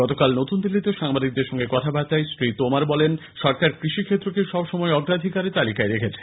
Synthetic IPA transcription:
ɡɔt̪okalnot̪und̪ilːit̪eoʃaŋbad̪ik̚d̪eɾʃɔŋɡekɔt̪ʰabat͡ɕajsɾit̪omaɾbɔlenʃɔɾkaɾkɾiʃikʰet̪ːɾokeʃɔbʃɔmɔeɔɡɾad̪ʱikaɾet̪alikaeɾekʰet͡ɕʰe̥

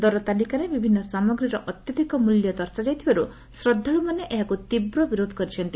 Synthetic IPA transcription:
d̪ɔɾɔt̪alikaɾebibʱinːɔsamɔɡɾiɾɔʔɔt̪jɔd̪ʱikɔmuljɔd̪ɔɾsad͡ʒajt̪ʰibaɾu | sɾɔd̪ʱːaɭumaneʔeɦakut̪ibɾɔbiɾod̪ʱɔ̥kɔɾit͡ʃʰɔnt̪i

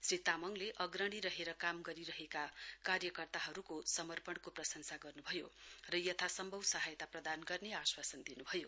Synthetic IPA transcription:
srit̪amʌŋleʔʌɡrʌɽ̃iɾʌɦeɾʌkamɡʌɾiɾʌɦekakarjʌkʌrt̪aɦʌɾukosʌmʌrpʌɳkoprʌsʌŋsaɡʌrnubʱʌjorʌjʌt̪ʰasʌmbʱʌwsʌɦajt̪aprʌd̪anɡʌrneaswasʌnd̪inubʱʌjo

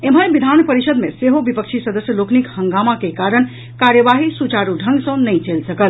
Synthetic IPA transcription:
em̤ʱəjbid̪ʱanpəɾisəd̪meseɦobipəkt͡ʃʰisəd̪əsjəloknikhəŋɡamakekaɾən | kaɾjəʋaɦisut͡ʃaɾuɖʱə̃ŋɡsə̃nəjt͡ʃelsəkəl

